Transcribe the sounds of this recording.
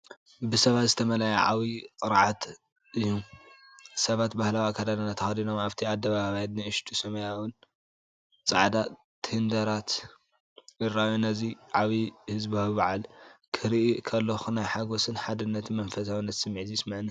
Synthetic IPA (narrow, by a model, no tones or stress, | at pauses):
bɨsɐβat̪zɨt̪ʰɐmɐlajɐʕa̰wikʼɨɾʕat̪ | ʔɨjːu | sɐβat̪bahlawakʰad̪ad̪anat̪ʰɐxad̪ino̞maβt̪ʰiad̪ːɐβaβaβajat̪nɨɨʃt̪ʰusɐmɐjawɨn | t͡sʼa̰ʕd̪a | t̪ʰhɨnd̪ɐɾat̪ | ɨrajonɐziʕaβihɨzbaββaʕalkʰɨɾiʔikʰɐlːɐxunajħaɡo̞sɨnħad̪ɨnːɐt̪mɐnfɐs̬awnːɐt̪sɨmːʕzijsmɨʕɨn